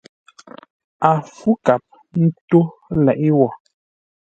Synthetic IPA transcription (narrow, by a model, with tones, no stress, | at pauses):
a˨fu˦ka˨p̚ | n̩˦to˦lɛ˨ʔi˦wɔ˨